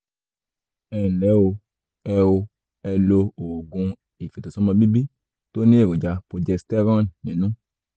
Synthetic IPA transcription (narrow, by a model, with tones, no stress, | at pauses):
ɛ˨lɛ˨˦wo˧ | ɛ˧wo˧ | ɛ˧lo˧o˨ɡũ˧ | i˨fe˨to˨sɔ˦mã˧bi˦bi˦ | to˦nĩ˦e˦˨o˨d͡ʒa˧po˧d͡ʒɛ˧stɛ˦ɾɔ̃˦nnĩ˨nũ˦